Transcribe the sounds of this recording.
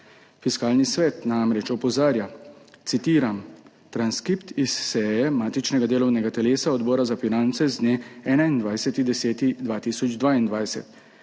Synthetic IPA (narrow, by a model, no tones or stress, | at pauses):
fiskaːlnisʋɛːt̪namɾɛt͡ʃɔpɔzaːɾjat̪sit̪iːɾam | t̪ɾanskɾipt̪isːɛːjɛmaːt̪it͡ʃnɛɡad̪eːlɔwnɛɡat̪ɛleːsaɔd̪bɔːɾazafinant̪sɛzd̪neːɛːnaind̪ʋajsɛt̪id̪ɛsɛːt̪id̪ʋaːt̪isɔd͡ʒd̪ʋaːind̪ʋajsɛ̰t̪